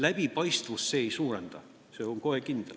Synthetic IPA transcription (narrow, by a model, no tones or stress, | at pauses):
læb̥ipɑjst̪vusːeːjsuːrend̪̥ɑ | seoŋkoekind̪el